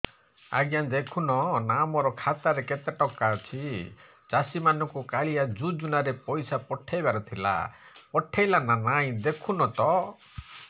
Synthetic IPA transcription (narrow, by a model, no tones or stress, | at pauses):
a̰ɡjand̪ekʰunɔnamɔɾɔkʰat̪aɾeket̪eʈɔkːat͡ʃʰi | t͡ʃasimanɔŋkukaɭiad͡ʒud͡ʒunaɾepɔjsapɔʈʰːejbaɾɔt̪ʰila̰ | pɔʈʰejlananaj̃d̪ekʰunɔt̪ɔ